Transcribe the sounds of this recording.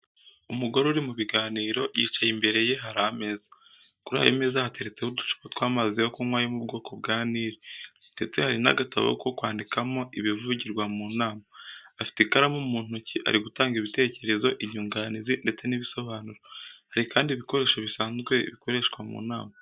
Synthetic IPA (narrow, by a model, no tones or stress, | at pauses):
umuɡoɾuɾimuβiɡaːniːɾo̞jit͡ʃajimbe̞ɾe̞je̞ɦaɾame̞ːza | kuɾa̰ːjomeːzahate̞ɾe̞t͡se̞hudu̥t͡ʃu̥kotwaːmazijokumwaːjomubɡo̞ːko̞b̚ɡaːniːɾe | nde̞t͡se̞haɾina̰ɡata̰βo̰ko̞kwaːndikamo̞ʔiβivuɟiɾɡwamuːnaːmaːfi̥tekaɾamumuːn̥uciʔa̰ɾiɡutaːŋɡiβite̞ːce̞ɾe̞zo̞ʔiɲuːŋɡanizinde̞t͡se̞niβiso̞βaːnuɾohaɾikaːndiβikoɾe̞ːʃaβisaːnzɡwe̞̰βiko̞ɾe̞ʃkwamṵːnaːma